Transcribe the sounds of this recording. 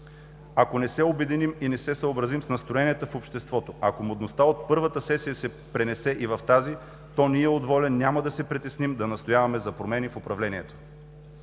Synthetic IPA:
akonɛsɛobɛd̪iniminɛsɛsəobɾɐzimsnɐst̪ɾoɛniɛt̪əfopʃt̪ɛst̪vɔt̪oɐkomod̪nost̪aot̪̚pɤɾvət̪əsɛsijəsɛ | pɾɛnɛsɛʔivɐft̪azi | t̪ɔniɛod̪vɔlʲɛnːʲaməd̪ɐsɛpɾit̪ɛsnimd̪ɐnɐst̪ojavɐmɛzɐpɾomɛnifopɾɐvlɛniɛt̪o̥

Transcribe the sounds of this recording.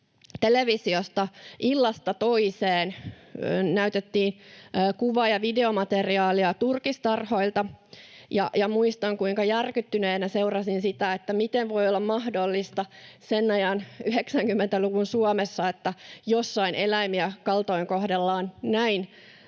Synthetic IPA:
t̪eleʋisiost̪ɑʔilːɑst̪ɑt̪oiseːn | næyt̪et̪ːiːnːkuʋɑjɑʋideomɑt̪eriɑːliɑt̪urkist̪ɑrhoilt̪ɑjɑ̰jɑmuist̪ɑŋkuiŋkɑjærkyt̪ːyneːnæseurɑsinsit̪æet̪ːæmit̪eʋʋojolːɑmmɑhdolːist̪ɑsenːɑjɑnyɦeksæŋkymːent̪æluʋunsuɑmesːɑet̪ːæjosːɑinelæmiækɑlt̪oiŋkohdelːɑːnnæin

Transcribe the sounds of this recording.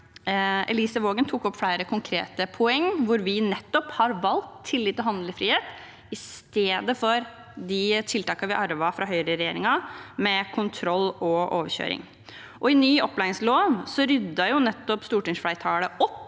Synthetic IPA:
ɛ̰liːsəʋoːɡənt̪ʰuːkɔpːflæɪɾəkʰʊŋkʰɾḛːt̪əpʰʊɛŋːʋʊɾʋɪnɛt̪ːɔphɑɾʋɑlk̚t̪ʰːɪlːɪːt̪ːɔɦɑnd̪ləfɾiːheːt̪ | ɪst̪eːd̪əfɔɾ | d̪ɪt̪ʰɪlt̪ʰɑːkɑʋɪʔɑɾʋɑfɾɑɦœʏɾəɾɛjḛːɾɪŋɑmɛkʰʊnt̪ʰɾɔlːɔʔoːʋəɾɕø̰ːɾɪ̰ŋ | ʔɔɪnyːɔplæɪɪŋsloːnsɔɾʏd̪ːɑjʊnɛt̪ːɔpst̪uːʈɪŋsflæɪt̪ʰɑːləʔɔpː

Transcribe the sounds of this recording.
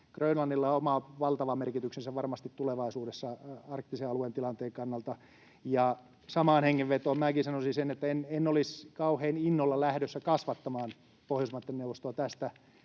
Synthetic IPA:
krøynlɑnːilːɑomɑʋɑlt̪ɑʋɑmmerkit̪yksensæʋʋɑrmɑst̪it̪tuleʋɑisuːdesːɑɑrkt̪iseɑluent̪ilɑnt̪eːŋkɑnːɑlt̪ɑ | jɑ | sɑmɑːnheŋːeʋʋet̪oːmmæːkisɑnosinsenet̪ːæenenːoliskɑuheːninːolːɑlæhɾøsːækɑsʋɑt̪ːɑmɑːn | pohjosmɑt̪ːennewʋːost̪oɑt̪æst̪æ

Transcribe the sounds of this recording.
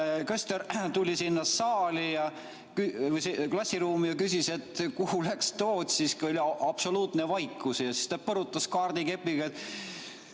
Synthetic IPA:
køst̪eɾt̪ulʲisinːɑːɑːlʲijɑ | kyvəjseklɑsʲːiɾuːmijɑkysʲise̞t̪kuhulækst̪oːd̪̥ʲsiskuo̞lʲiɑb̥so̞luːt̪nevɑjkːˑusjɑsi̥st̪ɑpɤɾut̪ːˑɑskɑːrd̪̥ike̞pːiɡ̥ɑet̪ː

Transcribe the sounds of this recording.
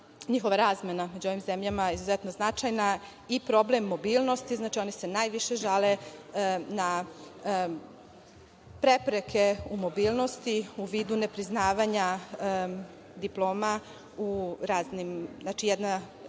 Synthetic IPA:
ɲixo̞ʋaɾaːzmename̞d͡ʑuo̞ʋimzemʎamaizuzet̪no̞znat͡ʃajna | ipɾo̞blemːo̞biːlˠno̞st̪iznaːt͡ʃio̞nise̞naːjʋiʃe̞ʒale | na | pɾe̞pɾekʰe̞umo̞biːlˠno̞st̪iuʋiːd̪une̞pɾiznaːʋaɲa | d̪iplˠo̞ːma | uɾaːznimznat͡ʃijed̪na

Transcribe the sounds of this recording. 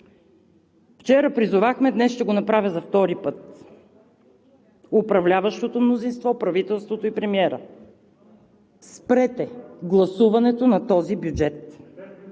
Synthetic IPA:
ft͡ʃɛɾəpɾizʊvaxmɛd̪nɛsʃt̪ɛɡonɐpɾavʲjəzɐft̪ɔɾipɤt̪̚ | ʊpɾɐvlʲavɐʃt̪ot̪omnozinst̪vɔpɾɐvit̪ɛlˠst̪vot̪oipɾɛmiɛɾə | spɾɛt̪ɛɡlˠɐsuvɐnɛt̪onɐt̪ɔzibjud͡ʒɛt̪

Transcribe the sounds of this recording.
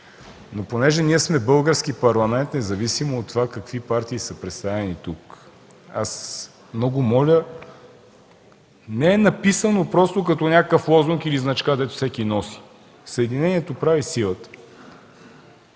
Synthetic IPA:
noponɛʒɛniɛsmɛbɤlˠɡəɾskipɐɾlˠɐmɛnt̪nɛzɐvisimoːt̪ːovakɐkvipaɾt̪iːsəpɾɛt̪st̪avɛnit̪uk | as | mnɔɡʊmɔlʲə | nɛɛnɐpisənopɾɔst̪okɐt̪ɔnʲakəkəflˠɔzuŋkiliznɐt͡ʃkad̪ɛt̪o̥fsɛkinɔsi̥ | səɛd̪inɛniɛt̪opɾavisilˠət̪ə̥

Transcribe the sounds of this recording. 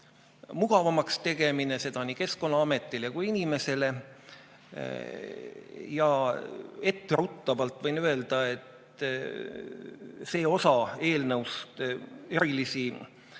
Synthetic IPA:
muɡ̥ɑvɑmɑkst̪e̞ɡ̥e̞mine̞se̞d̪ɑnike̞sko̞nːɑɑme̞t̪ːˑilekujinime̞se̞le̞ | jɑ | e̞t̪ːeɾut̪ˑːɑvɑlt̪ˑvɤjnye̞ld̪̥ɑe̞t̪ | se̞ːo̞sɑe̞ːlnɤwst̪e̞ɾilisi

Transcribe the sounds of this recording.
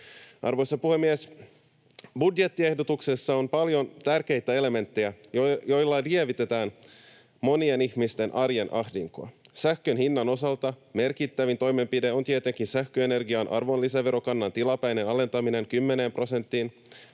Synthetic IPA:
ʔɑ̰rʋo̞jsɑpuhe̞mːies | budje̞t̪ːie̞hdot̪ukse̞sːɑo̞mpɑljo̞nt̪ærk̟e̞jt̪æe̞le̞me̞nt̪ːejæjjo̞jlːɑlieʋit̪e̞t̪æːn | mo̞nie̞nihmist̪e̞nʔɑrje̞nʔɑhdiŋkoɑ̰sæhkønhinːɑno̞sɑlt̪ɑme̞rkit̪ːæʋint̪o̞jme̞mpideo̞nt̪iet̪e̞ŋkinsæxk̟øene̞rɡiɑnʔɑ̰rʋo̞nlisæʋe̞ɾo̞kɑnːɑnt̪ilɑpæjnenɑle̞nt̪ɑmine̞ŋkymːene̞ːmpro̞se̞nt̪ːiːn

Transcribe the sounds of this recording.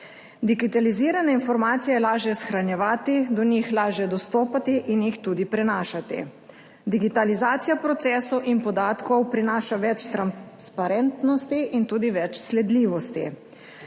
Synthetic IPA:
d̪iɡit̪aliziːɾanɛinfɔɾmaːt̪sijɛjɛlaːʒjɛsxɾanjɛʋaːt̪id̪ɔnixlaːʒjɛd̪ɔst̪oːpat̪iʔinjixt̪uːd̪ipɾɛnaːʃat̪ḭ | d̪iɡit̪alizaːt̪sijapɾɔt̪sɛːsɔwʔinpɔd̪aːt̪kɔwpɾinaːʃaʋɛt͡ʃt̪ɾanspaɾɛnt̪nɔst̪iʔint̪uːd̪iʋɛt͡ʃslɛd̪liːʋɔst̪ḭ

